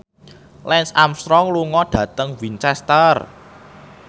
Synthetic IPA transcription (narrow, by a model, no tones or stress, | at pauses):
lɛnsamst̪ɾɔŋluŋɔd̥ä̤t̪əŋvint͡ʃɛst̪ər